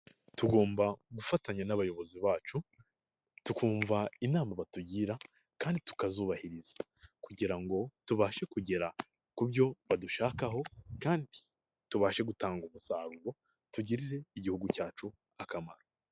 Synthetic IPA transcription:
tuɡo̞ːmbaɡufataɲanaβajo̞βo̞ziβaːt͡ʃu | tukuːɱvainaːmaβatuɟiːɾa | kaːnditu̥kazuːβahiɾizḁ | kuɟiɾaŋɡo̞tuβaːʃe̞kuɟe̞ɾa | kubɟo̞βaduʃaːkaɦo̞kaːndi | tuβaːʃe̞ɡutaːŋɡumusaːɾuɾo | tuɟiɾiɾe̞iɟihuɡucaːt͡ʃu | akamaɾo

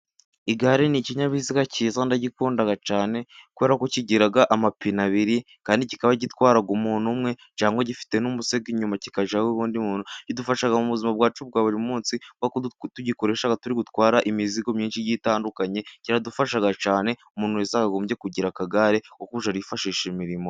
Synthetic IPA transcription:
iɡaɾeniciɲaβiziɡaciːzandaɟikuːndaɡat͡ʃaːne̞kuβe̞ːɾakociɟiɾaɡaʔamapinaβiɾi | kaːndiɟikaβaɟitwaːɾaɡumuːnumŋe̞ɲt͡ʃaːŋɡwoɟifi̥te̞numuseɡiɲumaci̥kaʒaweβuːndimuːnuɟidufaʃaɡamuβuzimabɡaːt͡ʃub̚ɡaːβuɾimumuːnsiɡwatuɟiko̞ɾe̞ʃaɡatuɾiɡutwaːɾaʔimiziɡo̞mɲiːnʃijiːtaːndukaɲe̞ciɾadufaʃaɡat͡ʃaːne̞umuːnujezakaɡo̞ːmbje̞kuɟiɾakaɡaɾeokuβuʃaɾiifaʃiːʃimiɾimo̞

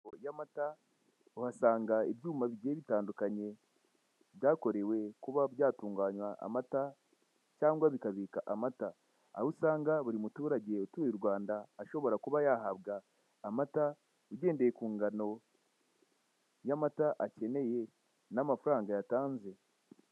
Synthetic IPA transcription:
ojamata | uhasaːŋɡaeβjuːmaβiɟeeβitaːndukaɲe̞ | βjaːko̞ɾe̞we̞kuβaβjaːtuːŋɡaːɲwaʔa̰mata | caːŋɡwaβikaβikaʔamata | aβusaːŋɡaβuɾimutuːɾaɟe̞utuiɾɡwaːndaːʃo̞βo̞ɾakuβajahaβɡaː | mata | uɟe̞ːndejekuːŋɡano̞ | jamataʔace̞ne̞je̞ | namafuɾaːŋɡajataːnze̞

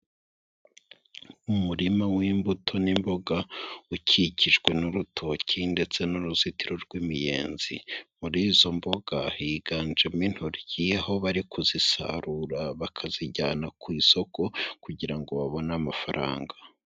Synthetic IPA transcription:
umuɾimawiːmbutʰo̞nimbo̞ɡaucʰiciʒɡwe̞nuɾutʰo̞cʰinde̞t͡se̞nuɾuzitiɾo̞ɾɡwiːmije̞̰ːnzḭmuɾiːzo̞mbo̞ɡ̥ahiɡaːnd͡ʒemin̥huɾɟ̥iho̞βaɾikʰuzisa̰ɾuɾaβakʰaziɟaːnakwiːso̞ko̞kuɟiɾaŋɡo̞βaβo̞namafaɾʔa̰ːŋɡa

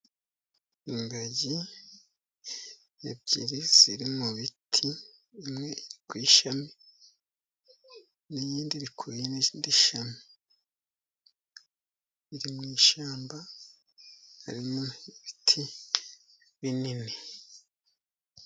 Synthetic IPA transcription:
imbaɟi | jab̚ɟḭɾiziɾimuβitʰiː | mŋe̞iɾikwiʃame | nijiːndiβikʰujeneziːndiʃame | βiɾimŋiːʃaːmba | ha̰ɾimoβitʰi | βinini

